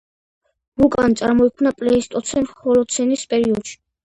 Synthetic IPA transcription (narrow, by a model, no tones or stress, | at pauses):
bukʼant̪sʼa̰ɾmɔikʰmnapʼlɛist̪ʼɔt̪sʰɛnhɔlɔt̪sʰɛnispʼɛɾiɔd̪̥ʃi̥